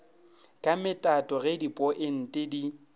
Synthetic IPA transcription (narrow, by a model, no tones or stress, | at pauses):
kʼamɪtʼatʼɔɣɛdipʼɔʔɪn̩tʼɪdi